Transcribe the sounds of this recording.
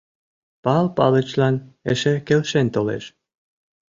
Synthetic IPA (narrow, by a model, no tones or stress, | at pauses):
pɑlpɑlə̆t͡ɕlɑneʃĕkelʃent̪olḛʃ